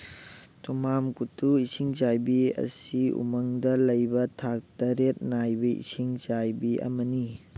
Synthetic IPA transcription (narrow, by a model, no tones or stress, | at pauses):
tumamkutuisʰiŋd͡ʒajbiɐ̰siṵmɐŋdɐlɐjbɐtʰak̚tɐɾet̚najbɐḭsʰiŋd͡ʒajbiʔɐ̰mɐni